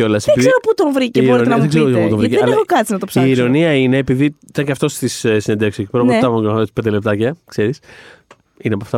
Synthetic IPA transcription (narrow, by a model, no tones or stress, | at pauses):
o̞lɐseeiɡeɾoput̪oɱvɾicebɾoɾionenɐðeɡzeɾoiput̪viceðnexokɐt͡sinɐt̪opsiːɾo̞niɐine̞ːpiðiit̪ɐɲceɐft̪o̞st̪isesined̪e̞fksecepɾmɐvokɐet͡ssi̥pend̪ele̞p̚t̪ɐcɐkse̞ɾis | ineɐpɐft̪ɐ